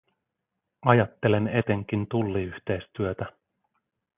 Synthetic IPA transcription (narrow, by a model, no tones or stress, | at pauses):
ɑjɑt̪ːe̞le̞ne̞t̪e̞ŋk̟int̪ulːiyçt̪e̞jst̪yøt̪æ